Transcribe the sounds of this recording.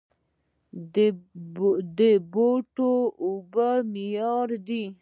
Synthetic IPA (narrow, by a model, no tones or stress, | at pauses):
d̪əboʈoubamijɑɾd̪i